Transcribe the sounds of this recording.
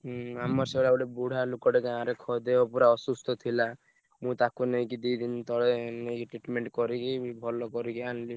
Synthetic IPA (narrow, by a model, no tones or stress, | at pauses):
amɔɾsɔɭaɔɖebuɽ̤alukɔʈekeãɾekʰɔd̪eɔpuɾaɔsust̪ɔt̪ʰila | mũt̪akunejkid̪id̪int̪ɔɭenekiʈɾiʈmeɳʈkɔɾikibʱɔlɔkɔɾikianli